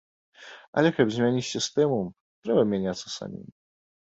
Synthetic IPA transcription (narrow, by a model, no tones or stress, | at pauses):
ɐ̰lʲɛkɐbzʲmʲanʲit͡sʲsʲist̪ɛmu | t̪ɾɛbɐmʲanʲat̪sːɐsa̰mʲḭm